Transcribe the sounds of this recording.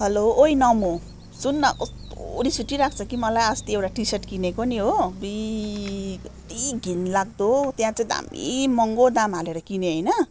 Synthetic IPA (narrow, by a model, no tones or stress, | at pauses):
ɦʌloːjnʌmo | sunːʌk | oɾit͡sʰuʈːiɾak̚ʰt͡sʰʌkimʌlajʌst̪iewʈaʈiseʈkinekoniɦobi | t̪iɡʱinlaɡ̚d̪ot̪jãt͡saĩd̪a̰mḭmʌŋɡod̪amɦaleɾʌkineɦʌjnʌ